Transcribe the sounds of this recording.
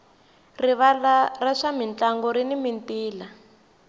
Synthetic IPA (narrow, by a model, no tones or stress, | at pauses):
riβalaraʂamint͡ɬaŋɡɔɾinimintiːla